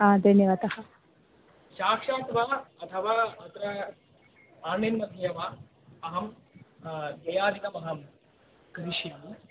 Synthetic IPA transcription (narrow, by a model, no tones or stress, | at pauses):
aːd̪ʱɐnjɐʋɐt̪ɐhɐ | ʃaːkʂaːt̪ʋaːɐt̪ʰɐʋaːɐt̪ɾɐ | aːɳenmɐd̪ʱɐjɐʋaː | ɐɦɐm | ɡ̪ɐjaːɾikɐmɐɦɐm | kɾiʂjɐm